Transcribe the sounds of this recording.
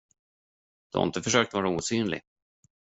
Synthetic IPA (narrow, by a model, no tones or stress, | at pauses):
d̪̥ɛa̰ɪ̰nt̪əfœʂøːkt̪vɑːɾauːsyːnlɪ̰ɡ